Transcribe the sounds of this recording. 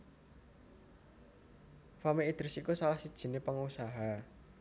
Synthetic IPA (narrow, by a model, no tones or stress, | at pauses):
famiːd̪̥ɾɪsikusalahsid̥ʒ̥i̤nepəŋusaɦa